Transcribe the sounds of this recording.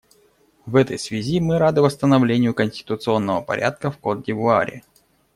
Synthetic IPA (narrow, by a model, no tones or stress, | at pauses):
vɛt̪əjsvʲɪzʲimɨɾad̪ɨvəst̪ənɐvlʲenʲɪjʊkənʲsʲtʲɪ̥t̪ʊt̪sɨo̞nːəvəpɐ̰ɾʲʔa̰t̪̚kəfkot̪̚dʲɪvʊa̰ɾʲɪ̰